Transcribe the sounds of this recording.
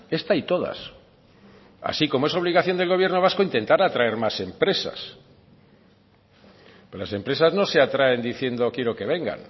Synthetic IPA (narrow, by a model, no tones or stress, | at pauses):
e̞st̪ait̪o̞ða̰s | a̰siko̞moeso̞β̞liɣaθjo̞nd̪e̞lɣo̞β̞je̞ɾno̞β̞asko̞int̪e̞nt̪aɾat̪ɾae̞ɾmase̞mpɾe̞sa̰s | polase̞mpɾe̞sazno̞seat̪ɾae̞nd̪iθje̞nd̪o̞kje̞ɾo̞ke̞β̞e̞ŋɡa̰n